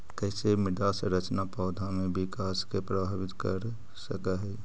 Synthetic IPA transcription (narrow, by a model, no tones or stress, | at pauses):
kɛsemɪd̪aːsɾət͡ʃnapɔːd̪ʱamẽbɪkaːskepɾəbʱaːbɪt̪kəɾ | səkaɦɛ